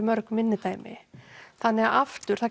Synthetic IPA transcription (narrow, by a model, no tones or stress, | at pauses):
mœɾkmɪnːɪt̪aːjmɪ̰θanːɛɣaʔaft̪ʏɾ̥θa